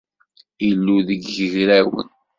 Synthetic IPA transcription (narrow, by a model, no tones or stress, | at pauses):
ilːuðəɡːəʝɾæwə̰n